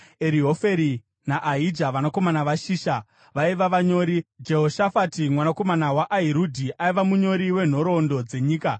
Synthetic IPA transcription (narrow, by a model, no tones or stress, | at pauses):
eɾiɦo̞fe̞ɾi | naʔaɦid͡ʒaʋanako̞manaʋaʃiːʃa | ʋaiʋaʋaɲo̞ːɾid͡ʒe̞ɦo̞ʃafatimwanako̞manawaʔaɦiɾudʱiʔaiʋamuɲo̞ɾiwe̞n̤o̞ɾo̞ndo̞d͡ze̞ɲiːka